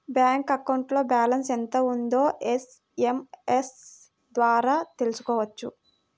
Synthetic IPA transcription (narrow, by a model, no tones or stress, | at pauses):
bjaːŋkɐkɐwɳʈlo̞ːbaːlɐnsent̪ɐund̪o̞ːʔes | emes | d̪ʋaːɾaːt̪e̞lusu̥kɔːʋɐt͡ʃːṵ